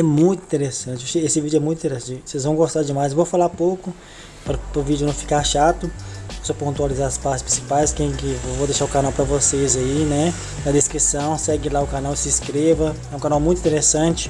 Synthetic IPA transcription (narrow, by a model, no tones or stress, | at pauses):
ɛmũj̃t̪ʊĩt̪eɾesɐ̃nt͡ʃɪoseesɪvid͡ʒʊɛmũjt̪ĩt̪eɾesɐ̃t͡ʃosezvɐ̃w̃ɡost̪aɾd͡ʒɪmajsvowfalapowkʊ | pɾɐpɾʊvid͡ʒʊnɐ̃w̃fi̥kaʃat̪ʊosopõt̪ualizaɾɐspaɾt͡ʃɪspɾĩsipajskẽj̃kɪvod̪eʃaɾʊkanawpɾɐvosezainɛ | ɐd̪eskɾisɐ̃w̃sɛɡɪlaʊkanawsɪskɾevɐ | ɛũkãnawmũj̃t̪ĩt̪eɾesɐ̃t͡ʃɪ̥